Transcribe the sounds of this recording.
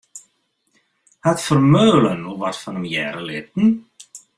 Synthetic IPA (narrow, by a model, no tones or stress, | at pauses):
hat̪fɔɾmœːlanuvar̥t̪fanʏmjɛːɾalɪːt̪̚n̩